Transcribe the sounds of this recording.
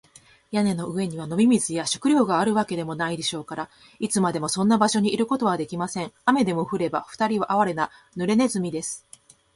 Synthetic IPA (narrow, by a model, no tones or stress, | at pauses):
jane̞no̞ɯ̟e̞ɲ̟iβ̞ano̞mʲimʲizɨjaɕo̥kɯ̟ɾʲjo̞ːɡaːɾɯ̟βake̞d̪e̞mo̞naid̪e̞ɕo̞ːkaɾa | it͡sɨmad̪e̞mo̞sõ̞nːabaɕo̞ɲ̟iʔːɾɯ̟ko̞t̪o̞βad̪e̞kʲimasẽ̞ŋame̞d̪e̞mo̞ɸɯ̟ɾe̞baɸɯ̥t̪aɾʲiβaʔaβaɾe̞na | nɯ̟ɾe̞ne̞zɨmʲid̪e̞sɨ̥